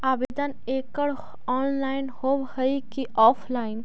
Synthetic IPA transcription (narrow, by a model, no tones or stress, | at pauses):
abed̪ənekəɽ | ɔːnlaɪnhobhəjkiʔɔpʰlaɪn